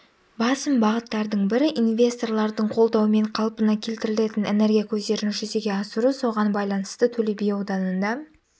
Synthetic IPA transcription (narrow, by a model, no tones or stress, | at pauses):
bɑsəmbɑʁət̪ːɑɾd̪əɴbɪɾɪʔinvʲe̞st̪o̞rlˠɑɾd̪əɴqʰo̞lˠd̪ɑwəme̞ɴqʰɑlˠpənɑkʲʰe̞lt̪ɪɾɪle̞t̪ɪnene̞ɾɡʲijakʲʰɵzd̪e̞ɾɪnʒʏze̞ɡʲeɑsəɾuso̞ʁɑnbɑjlˠɑnəst̪ət̪ʰɵlebejod̪ɑnənd̪ɑ